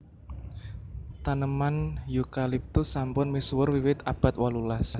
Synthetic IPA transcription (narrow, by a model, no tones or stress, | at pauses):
t̪anəmanjukalip̚t̪usampʊnmiswərwiwɪt̪ab̥a̤t̪walulas